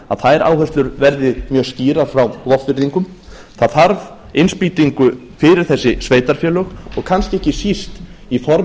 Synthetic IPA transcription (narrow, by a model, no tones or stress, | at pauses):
a̰ðθaɛɾʔa̰ːwhœst̪lʏɾvɛɾðɪmjœːsciːɾaɾ̥fɾawlɔfvɪɾðiŋkʏm | θaðθaɾv | ɪnspiːt̪iŋkʏ | fɪɾɪɾ̥θɛsːɪsveːjt̪aɾ̥fjœːlœxɔɣkʰanscɪɛhcɪsist̪ifɔɾ